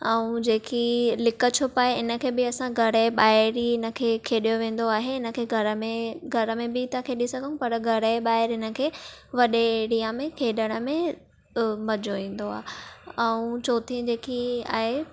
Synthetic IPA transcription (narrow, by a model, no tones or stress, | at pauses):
ɛ̃ũd͡ʑeːkilɪkə̆t͡ɕʰopaːɦeɪnə̆kʰeːbɪɐsãɡʱɐɾəɓaːɪɾiɪnə̆kʰeːkʰeːɗijoʋẽːn̆d̪oaːɦeɪnə̆kʰeːɡʱɐɾəmẽɡʱɐɾəmẽbɪt̪ɐkʰeːɗisɐɡʱənũpɐɾɡʱɐɾəɓaːɪɾɪnə̆kʰeːʋɐɗeɽiːamẽkʰeːɗəɽ̃əmẽ | mɐd͡ʑoʋẽːn̆d̪oa̰ːɦeɛ̃ũt͡ɕoːt̪ʰĩd͡ʑeːkia̰ːɦe